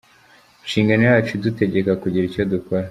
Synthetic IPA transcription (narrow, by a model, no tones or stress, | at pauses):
nʃiːŋɡanojaːt͡ʃudute̞ɟe̞kakuɟiɾico̞dukoɾa